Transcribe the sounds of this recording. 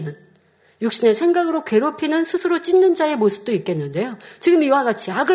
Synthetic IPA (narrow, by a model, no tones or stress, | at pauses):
nɯn | juk̚ɕ͈ine̞sʰe̞ŋɡaɡɯɾoke̞ɾopʰinɯnsʰɯsʰɯɾot͡ɕ͈inːɯnd͡ʑae̞mosʰɯ̥p̚t͈oik͈e̞nːɯnde̞jot͡ɕiɡɯmiwaɡat͡ɕʰiaɡɯ